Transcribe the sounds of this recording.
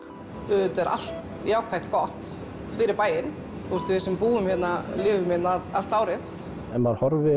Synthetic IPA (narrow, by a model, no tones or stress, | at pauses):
ʏt̪ɛɾa̰l̥t̪ | jaːwkʰajht̪kɔht̪ | fɪɾɪɾpaːjɪn | θɔɾst̪vɪsɛmpuːʏmçɛt̪nalɪːvʏmɪt̪naal̥t̪aːwɾɪθ | ɛnmaɾhɔɾvɪ